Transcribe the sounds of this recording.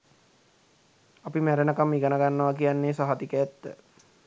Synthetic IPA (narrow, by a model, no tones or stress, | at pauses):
apimæɾənəkamːiɡanəɡanːəʋakijanːesaɦat̪ikəɛt̪ːə